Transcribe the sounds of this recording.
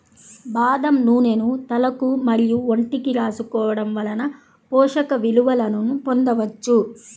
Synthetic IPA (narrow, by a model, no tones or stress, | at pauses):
baːd̪ɐmnuːnenut̪ɐlɐkumɐɾijuoɳʈikiɾaːsukɔːʋɐɽɐmʋɐlɐnɐ | pɔːʂɐkɐʋiluʋɐlɐnunupond̪ɐʋɐt͡ʃːu